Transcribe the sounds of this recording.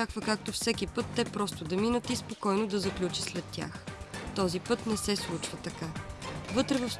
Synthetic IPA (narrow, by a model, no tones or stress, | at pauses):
akvəkak̚t̪ofsɛk̟ipɤt̪ːɛpɾɔst̪ʊd̪ɐminət̪ispokɔjnod̪ɐzɐklʲut͡ʃislɛt̪ːʲja̰xt̪ɔzipɤt̪nɛsɛslˠut͡ʃvət̪ɐkavɤt̪ɾɛvɐfs